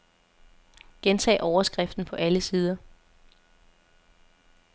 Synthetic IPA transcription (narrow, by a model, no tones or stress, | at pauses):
ɡ̥ent͡sʰɛ̰ːʔɒʊɐsɡ̥ʁɛfd̥n̩pʰɒ̽ʔæləsiːð̞ˠɐ